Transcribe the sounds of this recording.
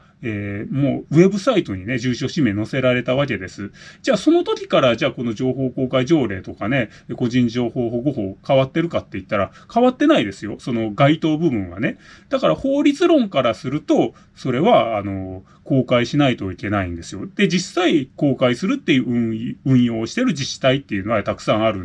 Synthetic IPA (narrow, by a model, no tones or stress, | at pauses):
eːmo̞̰ːβe̞bɯ̟sait̪o̞ɲ̟ine̞ʑɨːɕo̞ɕimeno̞se̞ɾaɾe̞t̪aβ̞ak̬e̞d̪e̞sɨd͡ʑaːso̞no̞t̪o̞kʲi̥kaɾad͡ʑaːko̞no̞d͡ʑo̞ːɦo̞ːko̞ːkaiʑo̞ːɾe̞ːt̪o̞kane̞ | ko̞ʑĩɲ̟d͡ʑo̞ːho̞ːɦoɡo̞ɦo̞ːkaβat̪ːe̞ɾɯ̟kat̪ːe̞it̪ːaɾakaβat̪ːe̞naid̪e̞sɨjo̞so̞no̞ɡait̪o̞ːbɯ̟bɯ̟̃ɰ̃βa̰ne̞d̪̥akaɾaho̞ːɾʲit͡sɨɾõ̞ŋkaɾasɨɾɯ̟t̪o̞ | so̞ɾe̞βaːno̞ | ko̞ːkaiɕinait̪o̞ike̞naĩnd̪e̞sɨjo̞d̪̥e̞d͡ʑisaiko̞ːkaisɨɾɯ̟t̪ːe̞jɯ̟ːɯ̃ɯ̟̃ɰ̃jo̞ːɕi̥t̪e̞ɾɯ̟d͡ʑiɕi̥t̪ait̪ːe̞jɯ̟ːnoɡat̪akɯ̥sãɰ̃aɾɯ̟